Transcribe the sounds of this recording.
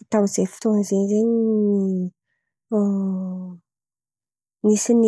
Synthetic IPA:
t̪awzefi̥t̪ozenzeɲini | misin

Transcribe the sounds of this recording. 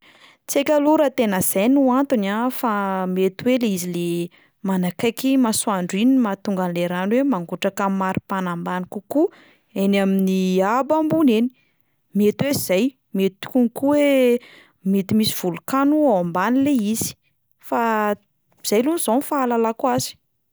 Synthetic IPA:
t͡sekʲaluɾat̪enəz̥ajnuant̪unafamet̪weleizile | manakajkimasuaɳɖ͡ʐinimat̪uŋɡanleɾanwemaŋɡuʈ͡ʂakammːaɾipanambanikuku | enaminiabambuneni̥ | met̪wez̥aj | met̪t̪u̥kunikuwe | met̪imisiv̥ulukanuawambanileiz̥i̥ | fa | z̥ajluniz̥onfaːlalakuazi̥

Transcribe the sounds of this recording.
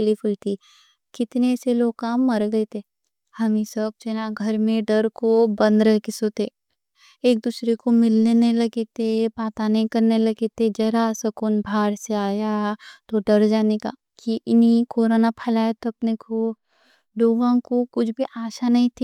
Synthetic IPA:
lipʰʊlt̪i | kɪt̪neseloːɡ̚kaːmːɐɾɡɐet̪eː | hɐmĩsɐb̚t͡ʃɐnaɡʱɐɾmẽɖɐɾkobɐ̃nd̪ɾɐɦkesoːt̪e | eːk̚d̪uːsɾekomɪlneneɦĩlɐɡet̪epaːt̪aneĩkɐɾnelɐɡet̪ed͡ʒɛɾasɐkʊnbʱaːɾseaːjat̪oɖɐɾd͡ʒaːneka̰ː | kiʔɪnikoːɾoːnapʰɐlaːjat̪oɐpneko | ɖoːʋãkokʊt͡ʃʰbʱiʔaːʃanɐɦĩt̪ʰi

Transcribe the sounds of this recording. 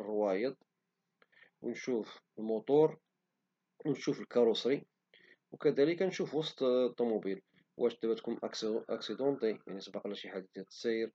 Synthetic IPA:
rwæjəd̪ˤ | wnʃufəlmʊt̪ˤʊɾˤ | wnʃufəlkɑɾusɾi | wkæd̪æləkænʃufwɑst̪t̪ˤːɑmubil | wʔæʃt̪ːæwæt̪kʊmʔsʔɑ̰ksid̪ɑ̃nt̪ˤija̰ʕnisˤbɑqlæʃiħad̪id̪æt̪səjəɾ

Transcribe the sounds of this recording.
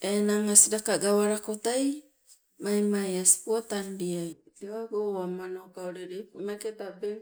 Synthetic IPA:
enaŋasiɾakaɡawaɾakotaj | majmajasi̥puatanbiajteaɡoamanokaoɾeɾejpmaketabeŋ

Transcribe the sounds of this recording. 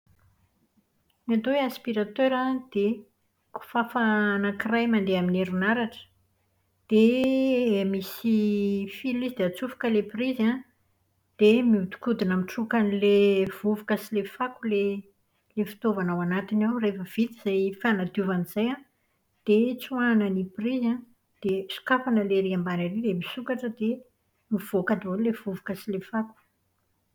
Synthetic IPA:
nat̪oweaspiɾat̪øɾad̪̥e | ku̥fafanakirajmand̪eamineɾunaɾaʈ͡ʂə̥ | d̪̥e | misifilizid̪eat͡sufu̥kəlepriza | d̪̥emiut̪u̥kud̪inamiʈ͡ʂukanilev̥uvukasilefakule | lefi̥t̪ovanawanat̪inawrefəv̥it̪iz̥ajfanad̪uvaniz̥ajan | d̪̥et͡suwanəniprizã | d̪̥esu̥kafanəleɾiambanaɾilemisukaʈ͡ʂəd̪e | miv̥okad̪olevuvu̥kasilefaku̥

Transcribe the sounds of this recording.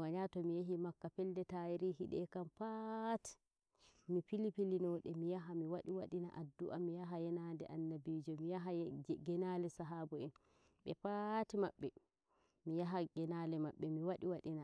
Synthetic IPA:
waɲatɔmijaɦimakːapɛldɛtajiɾihiɗɛ̰kampati̥ | mipilipilinɔɗɛmijaɦamiwaɗiwaɗina̰ʔadːuʔamijaɦajɛnandɛʔanːabid͡ʒɔmijaɦaɡɛnalɛsaɦabɔɛn | ɓɛpatimaɓːɛ | mijaɦaɡɛnalɛmaɓːɛmiwaɗiwaɗina

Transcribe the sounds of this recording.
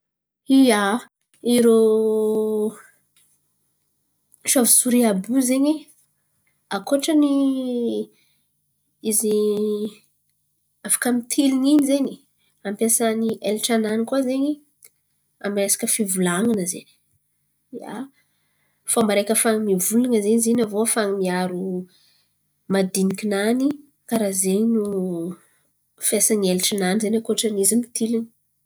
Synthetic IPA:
ija | iɾo | ʃavisuɾiabuzeɲi | akoʈ͡ʂəni | izi | afḁkəmit̪ʰiliniɲizeɲi̥ | ampjasaniʔelʈ͡ʂananikuazeɲi | a̰miresḁkəfivulaŋanəzḛni̥ | a̰ | famaɾekʲəfaŋimivulaŋəzeɲizenavofaŋimiaɾu | mad̪inikʲinani | kaɾazeɲinu | fesanielʈ͡ʂananizenakoʈ͡ʂənizimit̪ʰilini̥

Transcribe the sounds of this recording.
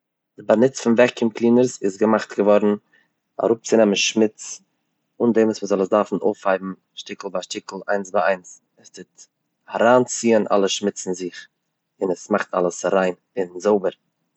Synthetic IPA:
d̥ɪbanɪt͡sfʊnvɛkɪmklˠiːnəɾsɪsɡəmaχtɡəvɔɾn̩ | a̰ɾʊp̚t͡sɪnɛmənʃmɪt͡s | ʊndɛmusməzɔlˠəsdaɾfn̩o̰ʊfhaɪbm̩ | ʃtɪkl̩ˠbaʃtɪkl̩ˠa̰ɪnsbaaɪns | ɛstɪt | aɾaːnt͡siːənʔa̰lˠəʃmɪt͡sɪnzɪχ | ɪnɛsmaχtʰa̰lˠəsɾaɪn | ɪnzoʊbəɾ

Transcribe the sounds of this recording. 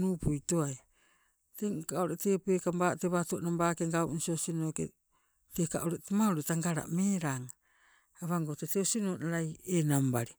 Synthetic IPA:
nupujtoaj | tekaoɾeʔtepuekambateβatoonambaːkeŋɡawʔnsiosinokḛ | teka̰ʔoɾeʔtemauɾetaŋɡaɾa̰ʔmeɾaŋa | aβaŋɡoteteosinoːnaɾajenambaɾi

